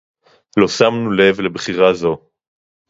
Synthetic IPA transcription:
lo̞samnule̞vle̞bχiʁazo̞

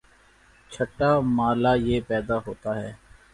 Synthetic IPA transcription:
t͡ʃʰəʈːaːmaːlaːjeːpɛːd̪aːɦoːt̪aːɦɛː

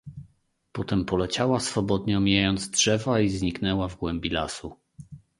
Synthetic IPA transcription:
pɔt̪ɛmpɔlɛt͡ɕawasfɔbɔd̪ɲɛɔmʲijajɔnd̪zdʐɛvaizɲiknɛwavɡwɛmbʲilasu

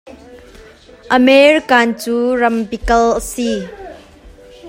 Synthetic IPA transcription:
ʔəmeɹikaːnt͡suːrɐmpikɐlʔəsi

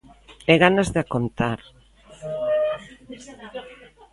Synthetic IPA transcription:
eɣanazðeakont̪aɾ

